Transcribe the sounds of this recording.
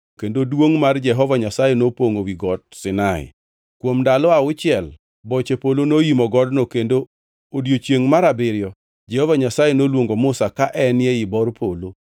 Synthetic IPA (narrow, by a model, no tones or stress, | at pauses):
kendodwoŋmard͡ʒɛɦɔvaɲasajenopoŋowiɡɔdsɪnaɪ̰ | kwomdalɔaʊt͡ʃɪɛl | bɔt͡ʃepolonojimɔɡɔdnokendo | odjot͡ʃjeŋmaɾabɪɾjɔ | d͡ʒɛhɔvaɲasajenolwoŋɡomʊsakaʔɛnjɛɪbɔrpʰolo